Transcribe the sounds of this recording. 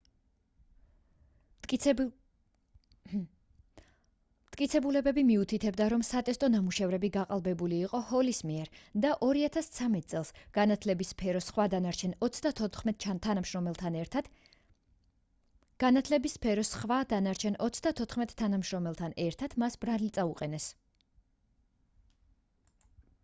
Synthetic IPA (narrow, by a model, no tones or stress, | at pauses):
mt̪ʰʼkʼit̪sʰɛbulɛbɛbimiut̪ʰit̪ʰɛb̚d̪aɾɔmsat̪ʼɛst̪ʼɔnamuʃɛvɾɛbiɡaqʼalˠbɛbuliːqʼɔhɔlismiɛɾd̪aʔɔɾiat̪ʰast̪sʰamɛt̪̚ʼtsʼɛlˠsɡnat̪ʰlɛbispʰɛɾɔsχwad̪anaɾt͡ʃʰɛnɔt̪sʰd̪at̪ʰɛt̪ʰːanamʃɾɔmɛlˠt̪ʰanɛ | ɡ̥anat̪ʰlɛbispʰɛɾɔsχvad̪anaɾt͡ʃʰɛnɔt̪sʰd̪at̪ʰɔt̪ʰχmɛt̪ʼʰːanamʃɾɔmɛlˠt̪ʰanɛɾt̪ʰat̪ʰmasbɾalit̪sʼauqʼɛnɛs